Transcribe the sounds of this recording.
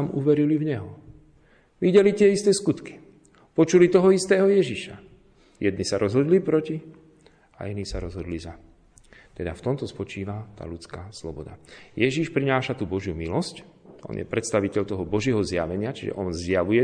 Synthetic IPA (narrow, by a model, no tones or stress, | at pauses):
amuʋɛɾilivɲɛɦɔ | ʋiɟɛlit̪ɪɛist̪ɛːskut̪ki̥ | pɔt͡ʃulit̪ɔɦɔist̪ɛːɦɔjɛʒiʃa | jɛd̪nisaɾɔzɦɔd̪lipɾɔci | a̰inisaɾɔzɦɔd̪liza | t̪ɛd̪aft̪ɔmt̪ɔspɔt͡ʃiːʋat̪a̰ːlut͡skaslɔbɔd̪a̰jɛʒiʃpɾinaːʃat̪ubɔʒjumilɔscʔɔ̰njɛ̰pɾɛt̪st̪aʋicɛʎt̪ɔɦɔbɔʒɪɛɦɔzja̰ʋɛɲɪat͡ʃiʒɛ̰ʔɔnzjaʋujɛ